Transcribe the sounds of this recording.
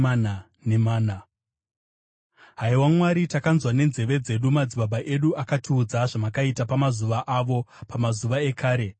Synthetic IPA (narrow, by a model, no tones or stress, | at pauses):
ana | nemaːna | ɦaiwamwaɾitakanzwane̞nze̞ʋe̞d͡ze̞ɗumad͡ziɓaɓaʔe̞ɗuʔakatʰuːd͡zaʐamakaitapamazuʋaʔaʋo̞pamazuʋae̞kaːɾe̞